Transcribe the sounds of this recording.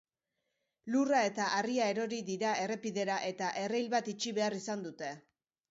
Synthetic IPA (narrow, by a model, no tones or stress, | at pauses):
lurae̞t̪aʔariae̞ɾo̞ɾiðiɾaʔe̞re̞piðe̞ɾaʔe̞t̪aʔe̞rejlβat̪it͡ʃiβe̞arisand̪ut̪e̞